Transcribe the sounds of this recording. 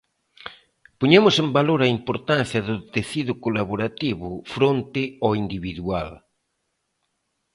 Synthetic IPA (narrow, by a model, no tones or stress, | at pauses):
poɲemʊsẽmbaloɾaimpoɾt̪an̟θjɐðʊt̪eθiðʊkolaβoɾat̪iβʊfɾont̪ɪɔind̪iβiðua̰l